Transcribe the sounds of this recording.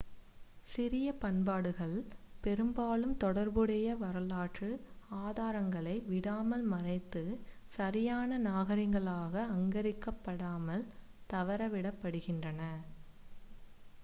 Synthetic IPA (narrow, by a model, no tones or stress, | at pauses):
sɪɾɪjɐpɐɳbaːɽɯɣɐɭpɛɾɯmbaːlɯmt̪ɔɽɐɾbɯɽɐjɐʋɐɾɐlaːʈrɯaːðaːɾɐŋɡɐɭɐɪʋɪɽaːmɐlmɐrɐɪt̪ːɯ | sɐɾɪjaːnɐnaːɣɐɾɪŋɡɐɭaːɣɐːŋɡɐɾɪkːɐpːɐɽaːmɐl | t̪ɐʋɐɾɐʋɪɽɐpːɐɽɯɣɪndrɐnɐ